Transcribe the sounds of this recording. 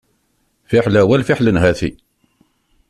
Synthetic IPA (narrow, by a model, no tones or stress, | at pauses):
fɪħlæwælfiħlənɦæθḭ